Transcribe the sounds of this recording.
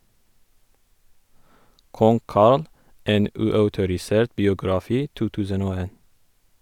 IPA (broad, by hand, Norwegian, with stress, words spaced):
ˈkɔŋ ˈkɑɾl ˈeːn ˈʉːˌɑʉtʊɾɪˌseːɾt bɪʊɡɾɑˈfiː ˈtuː ˈtʉːsən ˈoː ˈeːn